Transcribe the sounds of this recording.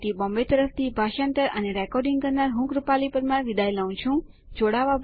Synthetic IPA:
t̪ibɔ̃mbet̪əɾəft̪ʰibʱaʃant̪əɾʔəneɾɛkɔɾɖĩŋɡkəɾnaɾɦũkɾupalipəɾmãʋid̪ʱajlaũt͡ʃʰũ | d͡ʒoɽaʋab

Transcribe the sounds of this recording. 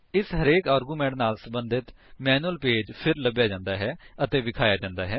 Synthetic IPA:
ɪsɦəɾeːkaːɾɡuːmɛ̃ːɳʈnaːlsəmbənd̪ɪt̪mɛːnuəlpeːd͡ʒpʰɪɾləbjaːd͡ʒãːnd̪aːɦɛːət̪eːʋɪkʰaːjaːd͡ʒãːnd̪aːɦɛː

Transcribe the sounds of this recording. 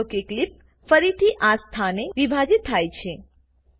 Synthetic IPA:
okeklip̚ | fəɾit̪ʰiʔast̪ʰaneʋibʱad͡ʒit̪ʰːajt͡ʃʰe

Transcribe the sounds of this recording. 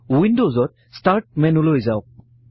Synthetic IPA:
windozɔt̚ | sʈaɾʈ̚mɛnulojzaʊk̚

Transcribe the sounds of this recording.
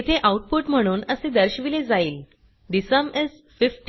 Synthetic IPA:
it̪ʰeʔauʈ̚puʈm̤əɽ̃uːnəsed̪əɾɕʋiled͡zaiːl | ɖisəmes | fifʈ

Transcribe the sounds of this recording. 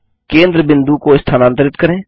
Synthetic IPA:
kẽːnd̪ɾəbɪ̃nd̪ukoɪst̪ʰaːnãːnt̪əɾɪt̪kəɾẽː

